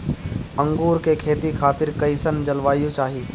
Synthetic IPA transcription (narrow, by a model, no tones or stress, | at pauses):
ɐ̃ŋɡuːɾkekʰeːt̪ikʰaːt̪ɪɾkɐɪsənd͡ʒɐlʋaːjũt͡ʃaːɦiː